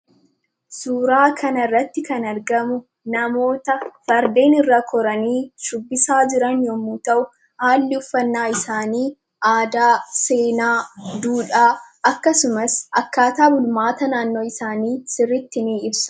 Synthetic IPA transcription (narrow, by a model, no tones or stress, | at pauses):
suːɾaːkʰɐnɐrːɐt̪ːɪkɐnɐɾɡɐmʊ | nɐmo̞ːt̪ɐfɐɾd̪e̞ːnɪrːakʰɔɾɐniːʃʊbːɪsaːd͡ʒɪɾɐnjɔmːuːt̪ɐʔʊ | haːlːɪʊfːɐnːaːɪsaːniː | aːd̪aːse̞ːnaːd̪uːᶑaːʔɐkːɐsʊmɐsʔɐkːaːt̪aːbʊlmaːt̪ɐnaːnːo̞ːɪsaːniːsɪrːɪt̪ːɪniːɪbsɐ̥